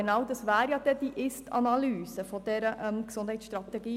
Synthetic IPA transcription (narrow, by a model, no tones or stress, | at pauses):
enɑʊd̪ɑsʋæːɾjɑd̥̪ɛd̥̪iʔɪstɑ̰nɑlyːsəfɔd̪ɛɾəʔəmksʊnd̥hɛɪsʃt̪ɾɑt̪ɛɡiː